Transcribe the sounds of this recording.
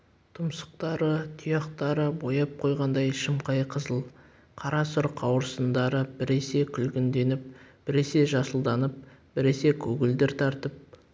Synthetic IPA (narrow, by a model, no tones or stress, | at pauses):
t̪ʰʊmsə̥q̚t̪ɑɾət̪ʰʊjɑqt̪ɑɾəbo̞jɑp̚qʰo̞jʁɑnd̪ɑjʃɪmqʰɑjqʰəzəlˠ | qʰɑɾɑsʊɾqʰɑwəɾsənd̪ɑɾəbɪɾe̞se̞kʲʰʏlɡʲɪnd̪e̞nɪp̚b̥ɪɾe̞se̞ʒɑsəlˠd̪ɑnəp̚b̥ɪɾe̞se̞kʲʰɵɡʲɪld̪ɪɾt̪ʰɑɾt̪əp̚